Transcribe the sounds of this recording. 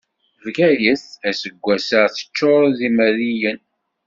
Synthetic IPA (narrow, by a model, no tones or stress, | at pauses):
vɡæjəθæsəɡʷːæsəʁθə̥t͡ʃːoɾˤðiməɾijən